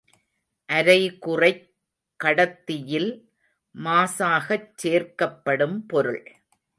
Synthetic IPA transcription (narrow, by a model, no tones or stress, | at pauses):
ʔɐɾɐɪkʊrɐɪ | kːɐɽɐt̪ːɪjɪl | maːsaːɣɐt͡ʃːeːrkɐpːɐɽɯmpɔɾɯɭ